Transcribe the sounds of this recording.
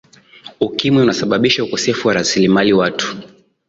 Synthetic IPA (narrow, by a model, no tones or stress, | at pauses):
ukimwiunasaɓaɓiʃaukɔsɛfuwaɾasilimaliwatu̥